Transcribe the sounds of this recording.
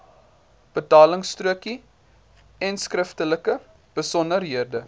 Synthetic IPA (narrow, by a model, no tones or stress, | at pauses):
b̥ətɑːləŋstruəki | ɛnskrəftələkə | b̥əsɔnərɦiərdə